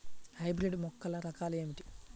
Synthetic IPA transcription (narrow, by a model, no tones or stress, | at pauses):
hɐjbɾiɖmɔkːɐlɐɾɐkaːleːmiʈi̥